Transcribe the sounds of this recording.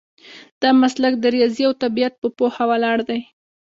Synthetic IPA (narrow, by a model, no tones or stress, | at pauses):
d̪̥ɑmaslakd̪əɾjɑziawt̪abijat̪̚pəpohawalɑɽd̪aj